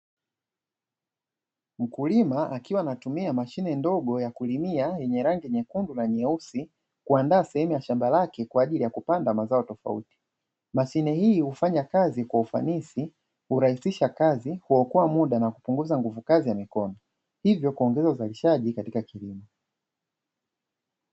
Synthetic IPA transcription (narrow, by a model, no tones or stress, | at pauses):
m̩kulimaʔakiwanatumiamaʃinɛndɔɠɔjakulimiajɛɲɛɾaŋɡiɛɲɛkundulaɲɛusi | kuandaːsɛhɛmujaʃambalakɛkwaːʄilijakupandamazaɔtɔfa̰ṵti̥ | maʃinɛhiːhufaɲakazikwaufa̰nisi | huɾahisiʃakazihuɔkɔamuɗanakupuŋɡuzaŋɡuvukazijamikɔnɔ | hivjɔkuɔŋɡɛzauzaliʃaʄikatikakilimɔ